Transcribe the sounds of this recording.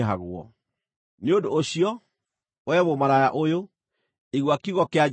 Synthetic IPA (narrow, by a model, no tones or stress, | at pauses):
ɦaɣwɔ̰ | neodoːɕiɔ | wɛβomaɾajaʔojo | iɣwakiɣɔkea